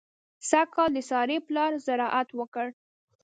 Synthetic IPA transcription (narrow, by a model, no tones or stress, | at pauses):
sakɑld̪əsɑɾeplɑɾzaɾɑʔat̪wəkəɽ